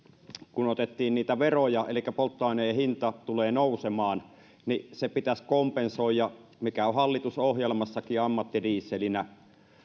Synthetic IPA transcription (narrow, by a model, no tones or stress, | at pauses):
kunot̪et̪ːiːnniːt̪æʋerojɑḛlikːæpolt̪ːɑˑineːhint̪ɑt̪uleːnousemɑːn | nisepit̪æskompensoˑijjɑmikæohɑlːit̪usohjelmɑsːɑkiɑmːɑt̪ːiriːsːelinæ